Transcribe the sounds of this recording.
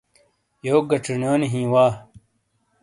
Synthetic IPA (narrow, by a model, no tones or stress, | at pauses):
joːɡɐʈ͡ʂinjoːniɦĩːwaː